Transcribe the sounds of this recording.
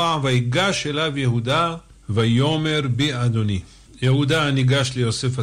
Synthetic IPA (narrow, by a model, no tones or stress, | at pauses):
aʕvaiɡaʃelavjeɦud̪a | vajome̞ɾbiad̪oni | jehud̪aniɡaʃlejosefa